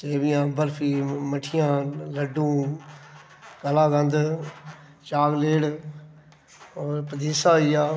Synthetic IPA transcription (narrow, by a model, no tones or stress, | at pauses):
teːʋɪjãːbəɾpʰiːməʈʰɪjãːləɖũː | kəlaːɡ̪ə̃nd̪ | t͡ʃaːɡleːɽ | oːpəd̪iːsaːɦijaː